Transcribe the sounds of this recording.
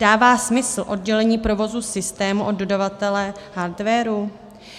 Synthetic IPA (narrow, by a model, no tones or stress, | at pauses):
daːvaːsmɪsl̩ʔo̞dɟɛlɛɲiːpɾo̞vo̞zusɪst̪ɛːmuʔo̞ddo̞davat̪ɛlɛhaɾdvɛːɾu